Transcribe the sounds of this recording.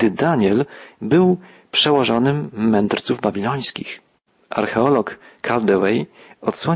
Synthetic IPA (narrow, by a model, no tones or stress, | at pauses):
ɘd̪aɲɛlbɘw | pʂɛwɔʐɔnɘmːɛnd̪ɾt̪suvbabʲilɔj̃skʲḭx | ʔa̰ɾxɛɔlɔkːʰald̪ɛwɛjɔt̪swɔ